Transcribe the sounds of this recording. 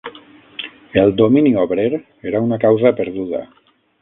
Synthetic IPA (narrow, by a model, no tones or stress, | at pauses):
elˠd̪ominioβɾeɾ | eɾaunakawzapəɾðuðə̰